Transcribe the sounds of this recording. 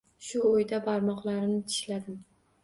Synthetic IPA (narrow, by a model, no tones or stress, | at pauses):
ʃʊojd̪abaɾmɒqlˠaɾɪnɪt̪ʰɪ̥ʃlad̪ɪm